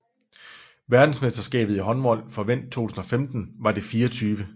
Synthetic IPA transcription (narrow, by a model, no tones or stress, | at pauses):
ʋæɐd̥n̩sme̝sd̥ɐsɡ̥ɛ̰ːb̥ð̩ˠiɦɒ̽nʋɒ̽l̰fɒ̽ʋen̰d̥̚t͡sʰo̝̰ːt͡sʰusn̩ɒ̽femd̥n̩ʋɑ̈d̥e̝fiːɒt͡sʰyːʋə